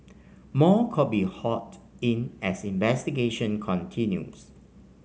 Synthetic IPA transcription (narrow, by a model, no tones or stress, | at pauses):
mɔkʰɔt̚bihɔt | ĩnɛsĩnvɛstiɡeʃə̃nkʰɔ̃ntʰĩnjṵs